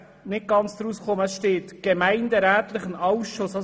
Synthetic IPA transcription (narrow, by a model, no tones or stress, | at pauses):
nɪt̚ɡ̥ɑnt͡sd̪̥ɾusχoməsʃteːtɡ̥ɛmæɪndəɾæːtlɪχənɑwʃosɑ